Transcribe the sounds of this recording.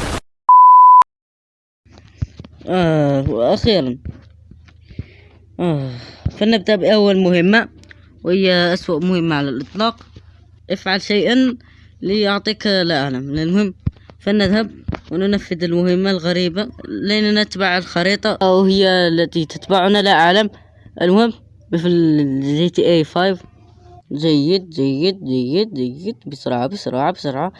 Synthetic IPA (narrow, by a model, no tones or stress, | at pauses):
ʔæʔaxiːɾɑn | ʔæfanːəb̚d̪abʔahwːalmʊhəmːa | whɪjːaʔæswaʔmʊhɪmːaʕalalʔɨt̪ˤlɑːq | ʔəfʕalʃajʔan | liʔʊʕt̪ˤiːklʔanamɪnəlmʊhɪmː | fænːædðhæb̚wnʊnæfːəd̪əlmʊhəmːalɣæɾibalinænæt̪baʕəlxɑɾit̪ˤɑʔəwhəjːalːæt̪it̪ət̪baʕʊnalaʔaʕləm | ʔə̰lmʊhəmː | əfilʒit̪iʔafajv | d͡ʒæjːəd̪̚d͡ʒæjːəd̪̚d͡ʒæjːəd̪̚d͡ʒəjəd̪bəsɾˤɑʕabəsʊ̰ɾˤɑʕabsʊɾˤʕa